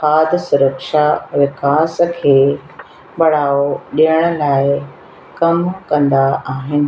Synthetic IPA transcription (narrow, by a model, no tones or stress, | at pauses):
aːd̪sʊɾəkʃaʋɪkaːs̆kʰeː | ɓɐɽaːoɗijəɽ̃ʊ̆laːɪ | kɐmkɐ̃nd̪aaːɦɪnɪ̆